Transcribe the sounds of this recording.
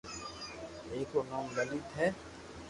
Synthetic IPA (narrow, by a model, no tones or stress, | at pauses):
eːkoːnɔːmɡəliːt̪ʰɦɛː